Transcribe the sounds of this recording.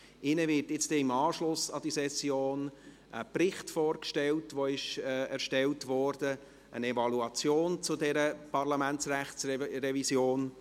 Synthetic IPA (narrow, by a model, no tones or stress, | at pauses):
ɪnəvɪɾtjɪt͡stdɛɪmɑːʃlʊsɑd̥isɛsjoːn | ʔəprɪχtfoːɾkʃtɛltʋoɪʃɛɾʃtɛltʋɔrd̥ə | ʔə̰nɛvɑluɑt͡sjoːnt͡sʊdɛɾəpʰɑrlɑmænt͡sræχt͡srɛvisjoːn